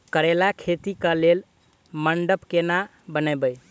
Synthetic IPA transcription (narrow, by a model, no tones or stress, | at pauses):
kəɾelakʰet̪ikəlel | məɳɖəpkena | bənəbəj